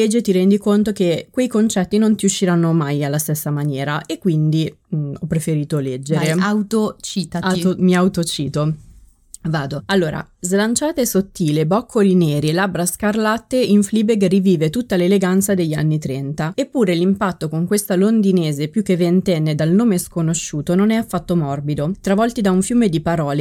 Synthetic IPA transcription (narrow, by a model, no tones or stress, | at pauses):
ed͡ʒːet̪iɾɛnd̪ikont̪ok̟ekwejkont͡ʃɛt̪ːinont̪iuʃːiɾanːomajalːast̪esːamanjɛːɾaʔekːwind̪iɔpːɾefeɾiːt̪olɛd͡ʒːeɾeawt̪ot͡ʃit̪aaomiawt̪ot͡ʃiːt̪o | vaːd̪oalːoːɾa̰zlant͡ʃaːt̪esot̪ːiːlebɔkʰːolinɛːɾielabɾaskarlat̪ːeiɱfliːbeɡriviːvet̪ut̪ːaleleɡant̪sad̪eʎːanːit̪ɾɛnt̪aepːuːɾelimpat̪ːokoŋkwest̪alond̪ineːzepjuk̟ːevent̪ɛnːed̪alnoːmeskonoʃːuːt̪ononɛafːat̪ːomɔrbid̪ot̪ɾavɔlt̪id̪auɱfjuːmed̪ipaɾɔːle